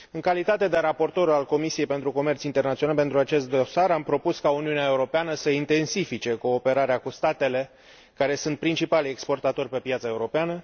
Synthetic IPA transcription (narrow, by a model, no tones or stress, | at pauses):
ɨŋkalit̪at̪e̞d̪eɾapo̞rt̪o̞ɾualko̞misie̞jpe̞nt̪ɾuko̞me̞rt̪sint̪e̞rnat̪sionalpe̞nt̪ɾuat͡ʃe̞st̪̚d̪o̞saɾampɾo̞puskauniuneae̞uɾo̞peanəsəint̪e̞nsifit͡ʃe̞ko̞ːpe̞ɾaɾeakust̪at̪e̞le̞ | kaɾe̞sunt̪̚pɾint͡ʃipale̞kspo̞rt̪at̪o̞rʲpe̞pjat̪sae̞uɾo̞peanə